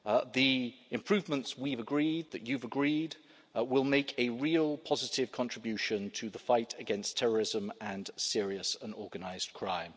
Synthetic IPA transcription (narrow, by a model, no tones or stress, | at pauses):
ðiɪ̃mpʰɹ̥ʉːvmə̃ntswivəɡɹiːd̪̚ðət͡ʃʉvəɡɹiːd | wɪlˠmeɪkʰɨɹilˠpʰɒzɪtɪv̥kʰɒ̃nt͡ʃɹ̥ɪbjʉˑʃə̃ntʰəðəfaɪtʰəɡɛ̃nstʰɛɹə˞ɪzə̃mə̃nsɪəɹiəsə̃nɔːɡənaɪz̥kʰɹ̥ã̰ɪ̃m